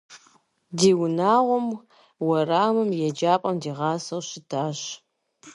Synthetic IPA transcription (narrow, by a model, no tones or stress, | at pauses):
diːwnaːʁʷʊm | wɐraːmɨmjɛd͡ʒaːpʼɐmdiːʁɑːsɐwɕɪdaːɕ